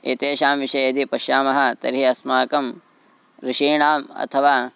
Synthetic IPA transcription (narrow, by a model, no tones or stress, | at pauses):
ḛːt̪eːʃaːmʋiʃɐjɐd̪ipɐʃjaːmɐɦɐ̆t̪ɐ̰ɾɦiɐsmaːkɐm | ɾiʃiːɳaːmɐ̰t̪ʰɐʋaː